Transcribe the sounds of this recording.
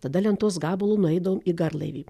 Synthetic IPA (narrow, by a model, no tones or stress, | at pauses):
t̪ɐd̪ɐlʲɛnt̪uɔsɡɑːbolˠuːnʊɛɪd̪ɐʋoːmiːɡɐɾlˠɐ̰ɪʋʲiː